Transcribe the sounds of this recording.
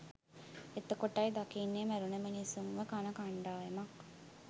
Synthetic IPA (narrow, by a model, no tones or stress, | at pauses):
et̪ːəkoʈːajd̪akinːemæɾunəmənisumʋəkanɐkaɳɖaːjɐmak